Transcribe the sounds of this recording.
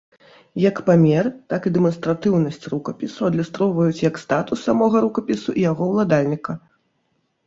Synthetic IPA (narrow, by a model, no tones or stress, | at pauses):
jɐkpamʲɛrt̪akid̪ɛmɐnst̪ɾat̪ɨwnɐsʲt͡sʲrukɐpʲisuɐd̪lʲust̪ɾɔwvɐjut͡sʲjɐkst̪at̪usːamɔɣɐɾukɐpʲisuʔijaɣɔwlˠad̪alʲnʲikɐ